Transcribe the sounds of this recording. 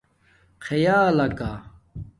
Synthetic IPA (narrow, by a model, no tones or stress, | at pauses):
kʰɐjaːlɐka